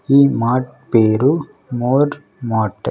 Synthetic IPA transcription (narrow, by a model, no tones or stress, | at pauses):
imaːʈ̚ | peːɾu | moːɾ | maːʈːɐ